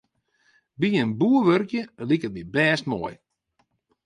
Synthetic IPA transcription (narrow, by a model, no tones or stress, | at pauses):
biənbuəʋørkjəlikət̚mibɛːstmɔ̰ːj